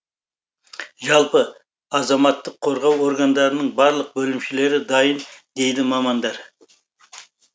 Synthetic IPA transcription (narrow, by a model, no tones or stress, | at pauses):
ʒɑlˠpə | ɑzɑmɑt̪ːəqʰːo̞ɾʁɑwo̞ɾɡand̪ɑɾənəɴbɑɾlˠəq̚bɵlɪmʃɪle̞ɾɪd̪ɑjənd̪e̞jd̪ɪmɑmɑnd̪ɑɾ